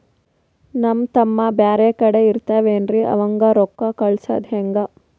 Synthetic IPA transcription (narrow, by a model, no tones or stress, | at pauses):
nɐmt̪ɐmːɐbjaːɾeːkɐɽeiɾt̪aːʋeːnɾiʔɐ̰ʋɐŋɡɐɾɔkːakɐɭsɐ̰d̪ɦeŋɡɐ